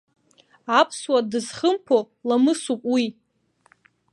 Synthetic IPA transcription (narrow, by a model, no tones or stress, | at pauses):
apʰswadɨzχəmpʰo | lamɨsupʼwi